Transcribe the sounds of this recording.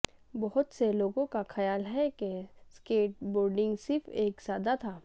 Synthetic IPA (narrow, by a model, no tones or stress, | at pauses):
bɔɦʊt̪seloːɡõkaxɐjaːlɦɛkeskeːʈ̚boːɾɖɪ̃ŋɡsɪɾfeːksaːd̪at̪ʰaː